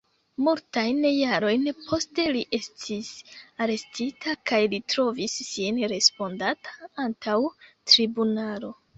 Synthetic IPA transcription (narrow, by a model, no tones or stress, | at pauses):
multajnjaɾo̞jnpʰo̞ste̞liʔe̞stʰisaɾe̞stitʰakajlitɾo̞visːinɾe̞spo̞ndatʰḁantʰawtɾibunalo̞